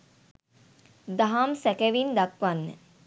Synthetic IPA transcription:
d̪aɦamsɛkɛʋind̪akʋanːə̰

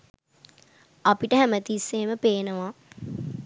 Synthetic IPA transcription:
apiʈəɦæmət̪isːeːməpeːnəʋa

